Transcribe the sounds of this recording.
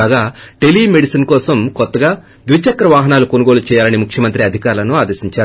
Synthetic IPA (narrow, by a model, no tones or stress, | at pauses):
aːɡaːʈe̞liːme̞ɽisinkɔːsɐmkɔt̪ːɐɡaː | d̪ʋit͡ʃɐkːɾɐʋaːɦɐnaːlukonuɡo̞ːlut͡ʃɛːjaːlɐnimukʰjɐmɐnt̪ɾiɐd̪ʱikaːɾlɐnuaːd̪ɐsiɲt͡ʃaːɾ